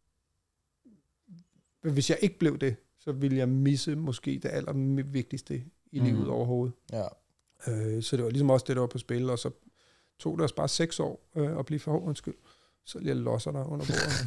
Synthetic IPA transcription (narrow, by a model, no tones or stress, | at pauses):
ʋe̝sjɑ̈ɪʔe̝ɡ̥əb̥le̝ʊd̥e̝ | sɒ̽ʋiləjɑ̈ɪmisəmɔ̽sɡ̥e̝̰ːd̥e̝ʔæl̰ʔɐmʋe̝ɡ̥̚d̥isd̥ə | ilḭːʊð̩ˠɒ̰ʊɐɦo̝ːð̞̩ˠ | øsɒ̽d̥e̝ʋɑ̈lisɒ̽mɒ̽sd̥e̝ɾ̥ɑ̈ʋɑ̈pʰɒ̽sb̥e̝ləɒ̽sɒ̽ | t͡sʰo̝̰ːd̥eɒ̽sb̥ɑ̈ːseɡ̥sɒ̰ːøɒ̽b̥liːfɒhɒɔnsɡ̥yl̰ | sɒ̽ljalɒsɐɾ̥ɑ̈ɪʔɔ̽n̰ɐb̥o̝̰ːɐð̩